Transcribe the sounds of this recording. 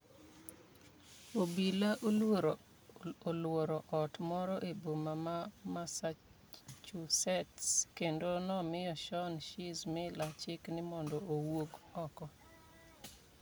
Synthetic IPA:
obilaʔo | olwoɾɔʔɔtmɔɾɔʔebomamamasa | t͡ʃusɛtskendonɔmɪjɔʃɔnʃɪzmɛlat͡ʃɪknɪmɔndɔʔowoɡɔkɔ

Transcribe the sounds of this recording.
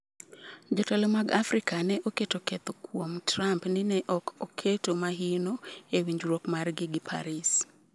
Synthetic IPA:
d͡ʒotalomaɡafɾikanɛʔoketokɛt̪okwomtɾampnɪnɛʔɔkʰokʰetomaɦiɪnoewiɲd͡ʒɾokmarɡɪɡɪpʰa̰ɾis

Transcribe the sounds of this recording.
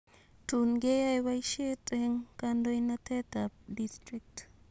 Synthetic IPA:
t̪unɡejajβajʃet̪ʼeŋkand̪oinat̪ʰet̪ap̚d̪ist̪ɾik̚t̪

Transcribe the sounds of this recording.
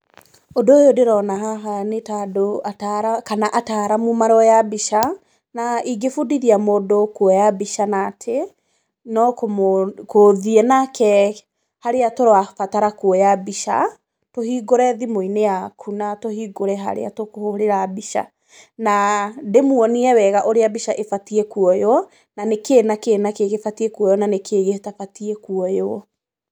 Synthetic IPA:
odoojodeɾɔnaɦaɦanetadoataɾakanaʔataɾamumaɾɔjabiʃa | naiɡefudiɾiamodokwɔjabiʃanatʰe | nɔkkoðiɛnakɛ | haɾeatoɾoafataɾakuɔjabiʃa̰ | tohiɡoɾɛðimoineakʰunatohiːɡoɾɛɦa̰ɾḛa̰tokohoɾeɾabiʃa̰ | nademuɔniɛwɛɣaʔoɾeabiʃaʔefatiɛkuɔjɔ | nanekeːnakeːnakeɣefatiɛkuɔjɔnanekʰeɣehtafatiɛkuɔjɔ

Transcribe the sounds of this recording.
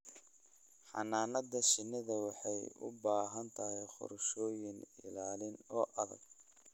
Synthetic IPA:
ħɑ̰naːnɐd̪ɐʃɪnːɪðɐwɑħɑjʊ̰baːɦɐnt̪ʰɐɦɛjχʊ̰ɾʃɔːjɪnɪ̰laːlɪnɔːʔɐðɐ̰ɡ̚

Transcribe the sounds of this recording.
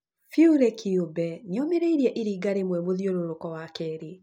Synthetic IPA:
fjuɾekʰiobɛneɔmeɾeiɾiɛʔiɾiːɡaɾemwɛmoðjoɾoɾokɔwakɛɾe

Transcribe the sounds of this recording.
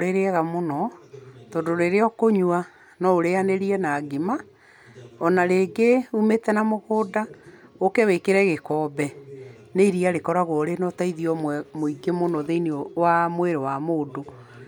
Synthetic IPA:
ɾeɾeɛɣamonɔtɔːndoɾeɾeɔkoɲwa | nɔoɾeaneɾiɛnaːɡima | ɔnaɾeɡeumetɛnamoɣoːda | okɛwekeɾɛɣekɔːbɛ | neiɾiaɾekɔɾaɣoɾenɔtaiðiɔmmoiɡemonɔðeiniɔwamweɾewamoːdo

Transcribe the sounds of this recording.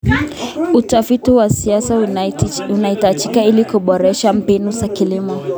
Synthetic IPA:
utafitiwasiasa | unaitad͡ʒikailikuɓɔɾɛʃam̩pɛnusakilimɔ

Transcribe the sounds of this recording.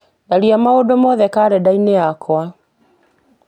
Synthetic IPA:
naɾiamaodomɔðɛkaɾɛdaineakwa

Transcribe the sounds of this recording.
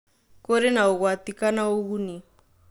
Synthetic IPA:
kɔɾɛnauɣwat̪ikanauɣuni

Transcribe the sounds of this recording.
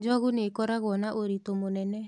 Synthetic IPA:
d͡ʒɔɣunekɔɾaɣɔnaʔoɾitomonɛnɛ

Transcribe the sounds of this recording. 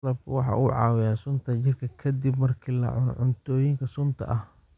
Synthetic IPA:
lɐb̚kʰwɑħɑ̰ːʔuʕɑ̰ːwɪjaːsʊnt̪ʰɐt͡ʃɪrkʰɐkʰɐd̪ibmɐrkʰiːlɐ̰ʕʊnʕʊnt̪ʰɔːjɪŋkʰɐsʊnt̪ʰɐ̰ʔɐh

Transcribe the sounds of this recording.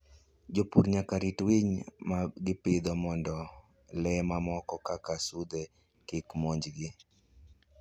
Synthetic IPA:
d͡ʒopuɾɲakaɾitwiɲmaɡɪpɪd̪ɔmɔndɔ | lɛmamɔkɔkakasud̪ɛ | kɪkmɔɲd͡ʒɡɪ

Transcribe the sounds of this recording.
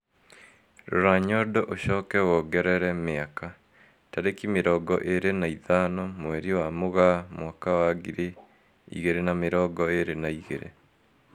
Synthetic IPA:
ɾoɾaɲɔdɔʔoɕɔːkɛwɔɡɛɾɛɾɛmeaka | taɾekimeɾɔːɡɔʔeɾenaiðanɔmwɛɾiwamoɣamwakawaɡiɾe | ḭɣeɾenameɾɔɡɔeɾenaiɣḛɾḛ

